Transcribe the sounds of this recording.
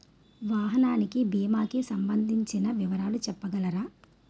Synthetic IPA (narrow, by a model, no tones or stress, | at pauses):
ʋaːɦɐnaːnikibiːmaːkisɐmbɐnd̪ʱiɲt͡ʃinɐʋiʋɐɾaːlut͡ʃɛpːɐɡɐlɐɾaː